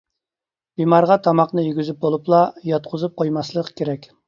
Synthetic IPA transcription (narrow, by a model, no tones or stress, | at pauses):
b̥imɑɾʁɑt̪ʰɑmɑqnɨjyɡʲyzyp̚bolˠuplˠɑjɑt̪̚qʰʊzup̚qʰojmɑslˠəqkʲʰeɾɛkʲ